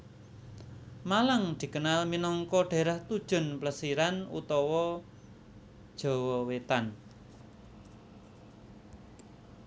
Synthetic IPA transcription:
malaŋd̪̥i̤kənalminɔŋkɔɖ̥e̤ɾaht̪ud̥ʒ̥ʊ̤npləsiɾanṵt̪ɔwɔ | d̥ʒ̥ɔ̤wɔwet̪an

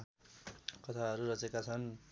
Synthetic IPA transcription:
kʌt̪ʰaɦʌɾuɾʌt͡sekat͡sʰʌn

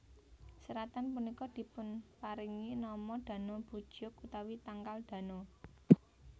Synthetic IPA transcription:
səɾat̪anpunikɔd̪̥i̤pʊnpaɾiŋinɔmɔd̪̥ä̤nob̥ṳd̥ʒ̥ʊkut̪awit̪aŋkald̪̥ä̤no

